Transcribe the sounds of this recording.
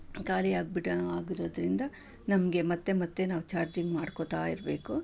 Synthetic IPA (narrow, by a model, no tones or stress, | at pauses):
kaːliaːɡ̚biɽɐaːɡiɾod̪ɐɾind̪ɐ | nɐmɐɡe̞mɐt̪ːe̞mɐt̪ːe̞naːʋt͡ʃaːɾd͡ʒiŋɡmaːɽkot̪aːiɾbe̞ːku